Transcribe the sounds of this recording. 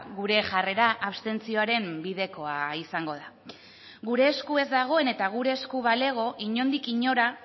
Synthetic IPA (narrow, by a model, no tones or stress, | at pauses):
ɣuɾe̞ʝare̞ɾaʔaβst̪e̞nt͡sio̞aɾe̞mbiðe̞ko̞aisaŋɡo̞ð̞a | ɣuɾe̞ːskue̞zd̪aɣ̞o̞e̞ne̞t̪aɣ̞uɾe̞ːskuβale̞ɣ̞o̞ʔiɲo̞nd̪ikiɲo̞ɾa